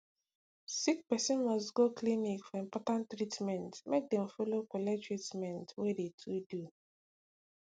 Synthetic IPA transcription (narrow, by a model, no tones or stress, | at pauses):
sikpɛsɔ̃nmɔstɡoklinikfɔĩmpɔtãnttːɾitmɛ̃ntmek̚dɛ̃m̩folokʷɔlɛd͡ʒɹetmɛ̃ntwedetʰudu